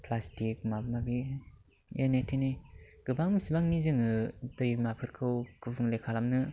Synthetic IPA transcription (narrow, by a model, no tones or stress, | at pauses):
pʰlastik̚mabmabi | enetʰeneɡ̥ɯbaŋsibaŋnizɯŋɯdɯjmapʰɯɾkʰɯwkɯbɯŋlekʰalamnɯ